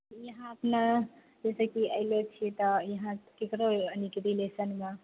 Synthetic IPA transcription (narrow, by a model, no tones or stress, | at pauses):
jəɦãəpna | d͡ʒesəkiəɪlet͡ʃʰit̪ɔjəɦãkekɾoənikɾilesənme